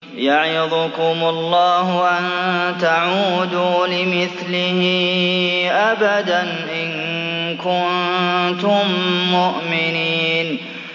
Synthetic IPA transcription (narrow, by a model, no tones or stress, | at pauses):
jaʕjad̪ʊkʊmʊlˤːɑːɦʊʔant̪aʕuːd̪uːlɪmɪθlɪhɪ | ʔabad̪an | ʔɪnkʊnt̪ʊmːʊʔmɪniːn